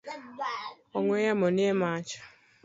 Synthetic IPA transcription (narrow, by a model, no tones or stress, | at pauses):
ɔŋʷejamʊnemat͡ʃḁ